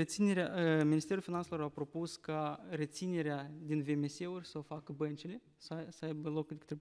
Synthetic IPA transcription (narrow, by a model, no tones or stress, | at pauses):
ɾe̞t̪sine̞ɾeaəminist̪e̞ɾulfinanselo̞ɾapɾo̞puskare̞t̪sine̞ɾead̪inveme̞se̞urʲsəofakəbənt͡ʃile̞ | səsəajbəlo̞kd̪ekɨ̥t̪ɾe